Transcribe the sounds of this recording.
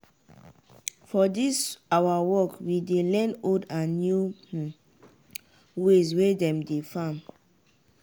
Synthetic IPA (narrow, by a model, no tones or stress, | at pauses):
fɔdisawawɔkwidelɛ̃nodãnːju | wes̬wedɛ̃mdefãm